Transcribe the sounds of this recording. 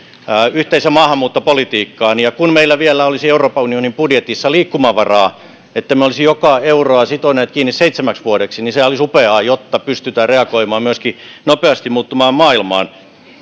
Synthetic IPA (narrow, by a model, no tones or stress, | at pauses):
yht̪eisæmɑːhɑmːuːt̪ːopolit̪iːkːɑːnijɑkunmeilːæʋielːˑæolisieuroːpɑunionimpudjet̪isːɑliːkːumɑʋɑrɑː | et̪ːæmeolisijokɑeuroɑsit̪oneːt̪̚kiːnːisseit̪semæksʋuoɾeksiniseæolisupeɑːjot̪ːɑpyst̪yt̪æːreɑkoimɑːmmyøskinopeɑst̪immuːt̪ːumɑːmmɑːilmɑ̰ːn